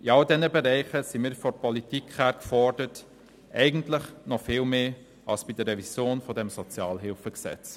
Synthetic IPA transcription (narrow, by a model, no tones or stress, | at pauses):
iɑldɛnəbeɾɛɪχəsimiːɾfɔpɔlitikhæːɾkfɔɹd̥ət | ʔɛɪɡən̩tlɪχnɔfɪːlmeː | ʔɑlsb̥idərɾɛvisjoːnfɔdɛmsɔt͡sjɑːlɦɪlfəksɛ̰t͡s